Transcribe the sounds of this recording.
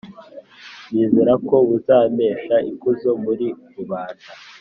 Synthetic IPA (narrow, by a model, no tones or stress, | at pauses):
njeːze̞ɾako̞βuzaːmeːʃaʔikuzo̞muɾiɾuβaːnda